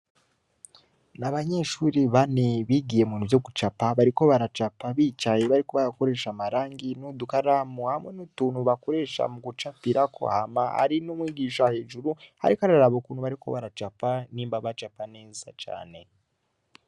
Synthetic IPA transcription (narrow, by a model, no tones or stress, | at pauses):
naβaɲe̞ʃuːɾiβaneβiɡijemunivjo̞ɡut͡ʃapaβaɾiko̞βaɾat͡ʃapaβiːt͡ʃajeβaɾiko̞βajako̞ɾe̞ːʃamaɾaːŋɡinodukaɾamuhamwenutuːnuβakoɾe̞ːʃa̰muɡut͡ʃapiɾakʰo̰ha̰maha̰ɾinomwiːɡiːʃahe̞ːʒuɾuha̰ɾikaɾaɾaβokunuβaɾikʰo̞̰βaɾat͡ʃapaniːmbaβat͡ʃapane̞ːzat͡ʃa̰ːne̞